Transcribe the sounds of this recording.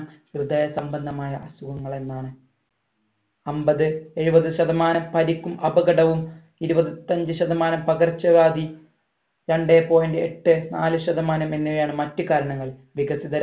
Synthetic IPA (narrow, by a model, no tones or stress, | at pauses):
mkrɨd̪ɐːjɐsɐmbɐnd̪ʱɐmaːjɐʔɐsuʋɐŋːɐɭe̞nːaːɳɨ | ɐmbɐðɨe̞ɻubɐðɨɕɐðɐmaːnɐmpɐɾikʲːumʔɐbɐɡɐɽɐʋum | iɾubɐðt̪ːɐɲd͡ʑɨɕɐðɐmaːnɐmpɐɡɐrt͡ɕːɐʋaːd̪i | ɾɐɳɖeːpo̞ːjɐndeeʈːɨnaːlɨɕɐd̪ɐmaːnɐme̞nːiɐjaːɳɨmɐtːɨkaːɾɐɳɐŋːɐɭ | ʋiɡɐsiðɐɾ